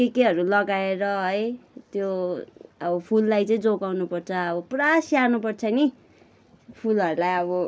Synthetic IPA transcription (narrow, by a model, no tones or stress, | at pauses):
kekeɦʌɾulʌɡaeɾʌɦʌjt̪jo | ʌbʌpʰulːajt͡sʌĩd͡zoɡawnupʌrt͡sʰʌːbʌprasjanupʌrt͡sʰʌni | pʰulɦʌɾulajʌβʌ